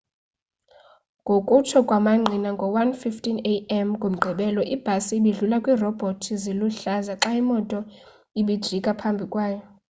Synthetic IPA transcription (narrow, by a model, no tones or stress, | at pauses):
ŋɡʱokʼut͡ʃʰɔkʼwamaŋ͡ǀʱinaŋɡʱɔwanfiftʼineɛmɡʱom̩ɡ͡ǃʱɛɓɛlɔʔib̥ʱasiɓiɮulakʼwiːrɔb̥ʱotʰiziluɬazaǁaimɔtʼɔ | iɓid̥ʒ̥ʱikʼapʰambʱikʼwaːjɔ